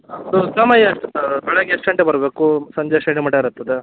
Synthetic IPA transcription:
sosɐmɐjɐʂʈɐbɛɭeɡeesʈɐɳʈebɐɾbeːkusɐɲd͡ʒeʂɐɳimɐːʈeiɾɐt̪ːɐd̪e

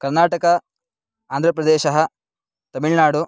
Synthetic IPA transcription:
kɐɾnaːʈɐkɐ | aːnd̪ɾɐpɾɐd̪eːʃɐɦɐ̆ | t̪ɐmiɭnaːɽu

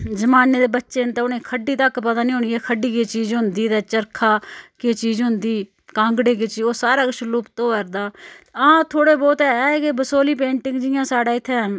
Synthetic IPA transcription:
d͡ʒəmaːneːd̪eːbətːʃeːnt̪aʊnẽːkʰəɖiːt̪əkːpət̪aːnĩːɦʊ̃ɳiːɛːkʰəɖiːkeːt͡ʃiːzɦʊnd̪iːd̪ɛːt͡ʃəɾkʰaːkeːt͡ʃiːzɦʊ̃nd̪iː | kãːŋɡɽeːkeːt͡ʃioːsaːɾaːkʃʰʊluːpt̪oːʋəɾd̪aːãːt̪ʰoːɽeːbɔːt̪ɛːkeːbəsoːliːpẽːɳʈɪ̃ŋɡd͡ʒɪjãːsaːɖaːɪt̪ʰːeː

